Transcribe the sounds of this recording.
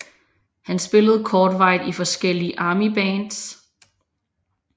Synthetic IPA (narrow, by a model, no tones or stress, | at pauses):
hænsb̥e̝ləð̞̩ˠkʰɒːd̥ʋɑ̈ɪ̰ðˠifɒ̽sɡ̥el̰iʔɑ̈ːmib̥ɛːnd̥s